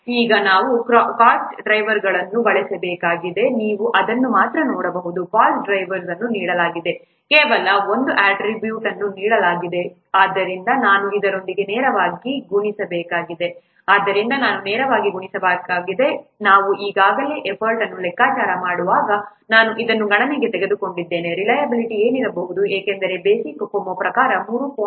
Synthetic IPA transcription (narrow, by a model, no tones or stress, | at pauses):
iːɡɐnaːʋukɾkaːsɖɾɐjʋɐɾɡɐɭɐnːubɐɭɛsebɛːkaːɡid̪e̞niːʋuʔɐd̪ɐnːumaːt̪ɾɐnoːɽɐbɐɦud̪ukaːlsɖɾɐjʋɐɾsɐnːuniːɽɐlaːɡid̪e̞ | keːʋɐlɐo̞nd̪uʔaːʈɾibjuːʈɐnːuniːɽɐlaːɡid̪e̞ | aːd̪ːɐɾind̪ɐnaːnuid̪ɐɾo̞nd̪iɡe̞nɛːɾɐʋaːɡiɡuɳisɐbɛːkaːɡid̪e̞ | aːd̪ːɐɾind̪ɐnaːnunɛːɾɐʋaːɡiɡuɳisɐbaːkaːɡid̪e̞naːʋuʔiːɡaːɡɐle̞ːʔepʰɐɾʈɐnːulɛkːaːt͡ʃaːɾɐmaːɽuʋaːɡɐ | naːnuʔid̪ɐnːuɡɐɳɐmeːɡe̞t̪eɛɡe̞d̪uko̞ɳɖid̪ːe̞ːne̞ɾilɐjɐbiliʈie̞ːniɾɐbɐɦud̪ueːkend̪ɐɾe̞be̞ːsikːkomːopɾɐkaːɾɐmuːɾupoː